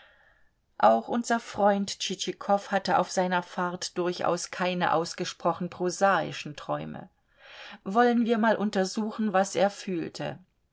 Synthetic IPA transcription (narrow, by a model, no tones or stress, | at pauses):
ʔaʊxʔʊnzɐfʁ̥ɔʏntt͡ʃit͡ʃikʰɔfhatəʔa̰ʊfz̥aɪnɐfaɐtd̥ʊɐçʔa̰ʊskʰaɪnə̰ʔa̰ʊsɡ̥əʃpʁ̥ɔχn̩pʁ̥ozaːɪ̰ʃn̩tʁ̥ɔʏmə̰ | vɔlənviːɐmaːlʔʊntɐzuːxn̩vasʔeːɐfyːltʰə̰